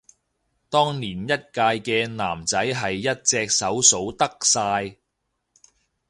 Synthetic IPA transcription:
t̪ɔː˥ŋniː˨˩njɐ˥t̚kaː˧jkɛː˧naː˨˩mt͡sɐ˨˥jɦɐ˨jːɐ˥t̚t͡sɛː˧k̚sɐ˨˥wso˨˥wt̪ɐ˥k̚saː˧j

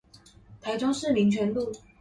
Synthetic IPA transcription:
t̪ʰa˧˥ɪʈ͡ʂʊ˥ŋʂɻ̩˥˨mi˨˧˥ŋt͡ɕʰɥɛ˧˥nlu˥˩

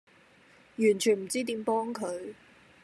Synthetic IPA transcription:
jyː˨˩nt͡ʃʰyː˨˩nm̩˨˩t͡siː˥t̪iː˨˥mpɔː˥ŋkʰɵ˨˧ɥ

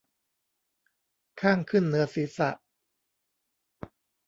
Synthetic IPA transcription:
kʰaː˥˩ŋkʰɯ˥˩nːɯ˩˦ɐsiː˨˩˦sa̰˨˩˨ʔ

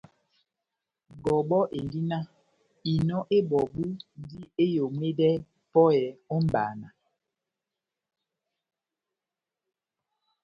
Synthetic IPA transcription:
ɡɔ˨bɔ˦ʔe˨ndi˦na˦ | i˨nɔ˦ʔe˦bɔ˨bu˦di˦e˦jo˨ŋwe˦dɛ˦ | pɔ˦jɛ˨ɔ˦m˦˨ba̰ː˨na˨

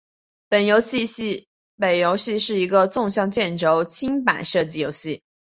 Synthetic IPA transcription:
pə˨˩njo˧˥ʊɕi˥˧˥ | pe˨˩ɪjo˧˥ʊɕi˥˧ʂɻ̩˥˩i˧˥ɡə˧t͡sʊ˥˧ŋɕjɑ˥˧ŋt͡ɕjɛ˥˩nʈ͡ʂo˧˥ʊt͡ɕʰi˥ŋpa̰˨˩nʂɤ˥˧t͡ɕi˥˩jo˧˥ʊɕi˥˩

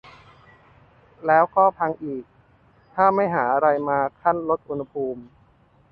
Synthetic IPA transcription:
lɛː˦˥wkɔː˥˩pʰa˧ŋʔiː˨˩k̚ | t̪ʰaː˥˩ma˥˩jɦaː˩˦ʔa˧ɾa˧jmaː˧kʰa˥˩nlo˦˥t̪̚ʔu˧nha˧pʰuː˧m

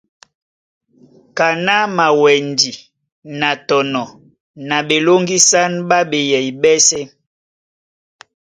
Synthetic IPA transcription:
ka˨na˦ma˨wɛ˨ndi˨ | na˨tɔ˨nɔ˨ | na˨ɓe˨lo˦ŋɡi˦sa˦nba˦be˨jɛ˨i˨bɛ˦sɛ˦

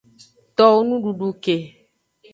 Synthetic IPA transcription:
t̪ɔ˦wo˦nũ˦ɖu˨ɖu˨ke˨

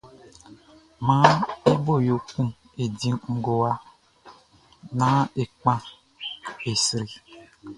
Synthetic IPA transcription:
ma˦i˦bo˦˨jo˨kũ˦m | e˨dĩ˨ŋ̩˨ɡo˨wa˦ | na˦e˨k͡pã˦ | e˨sɾi˨

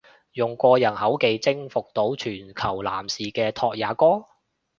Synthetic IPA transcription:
jʊ˨ŋkʷɔː˧jɐ˨˩nhɐ˨˥wke˨˧jt͡sɪ˥ŋfʊ˨k̚t̪o˨˥wt͡ʃʰyː˨˩nkʰɐ˨˩wla̰ː˨˩msiː˨˩kɛː˧t̪ʰɔː˧k̚jaː˨˥kɔː˥

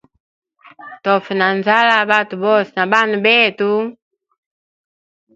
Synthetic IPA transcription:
tɔ˨fɛ˨na˨nza˦la˦ba˦tu˨bɔ˦sɛna˨ba˦nu˨bɛ˦tu˦

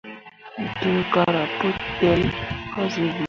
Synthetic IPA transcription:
tu˦ka˦ɾa˨po˦tɛ˦lkɔ˦zi˨˦ɡ͡b

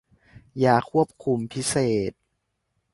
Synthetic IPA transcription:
jaː˨˩kʰːu˥˩əp̚kʰu˧˩mpʰi˦˥seː˨˩t̪̚

